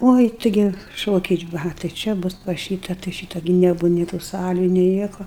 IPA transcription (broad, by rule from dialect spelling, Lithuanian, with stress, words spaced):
ˈoːɪ ˈtʲɪɡʲɪ ˈʃoːkʲɛɪ ˈʋɐ tɐɪ ˈt͡ʃʲɛ ˈbʊs pɐs ˈʃʲiːtɐ tɐɪ ˈʃʲiːtɐ ɡʲɪ nʲɛˈbuːʋɐ nʲɪ tuː ˈsɑːlʲuː nʲɪ ˈnʲiɛkoː